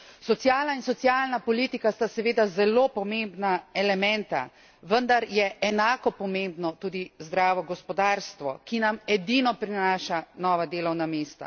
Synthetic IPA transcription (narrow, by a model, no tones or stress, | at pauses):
sɔt̪sjaːlnainsɔt̪sjaːlnapɔliːt̪ikast̪asɛʋeːd̪azɛloːpɔmembnaɛlɛmɛ̃nt̪a̰ | ʋənd̪aɾjɛʔɛnaːkɔpɔmembnɔt̪uːd̪izd̪ɾaːʋɔɡɔspɔd̪aːɾst̪ʋɔ̰kinamɛd̪inɔpɾinaːʃanɔːʋad̪eːlɔwnameːst̪a̰